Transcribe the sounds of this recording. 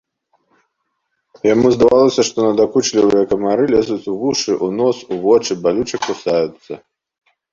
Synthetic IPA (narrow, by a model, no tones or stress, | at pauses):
jamuzd̪avalˠɐsʲɐʂt̪ɔnɐd̪akut͡ʂlʲivɨjɐkɐmaɾɨlʲɛzut͡sʲuvuʂɨʔunɔsuvɔt͡ʂɨbalʲut͡ʂɨkusajut̪sːɐ